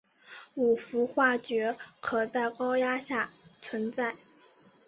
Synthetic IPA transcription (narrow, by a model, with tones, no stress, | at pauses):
u˨˩fu˧˥xwa˥˩t͡ɕɥɛ˧˥kʰɤ˨˩t͡sa˥˩ɪkɑ˥ʊja˥ɕja˥˩t͡sʰwə˧˥nt͡sa˥˩ɪ